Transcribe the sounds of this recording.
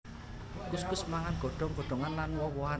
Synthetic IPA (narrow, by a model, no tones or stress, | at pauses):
kuskʊsmaŋanɡ̥ɔ̤ɖ̥ɔ̤ŋɡ̥ɔ̤ɖ̥ɔ̤ŋanlanwɔwɔa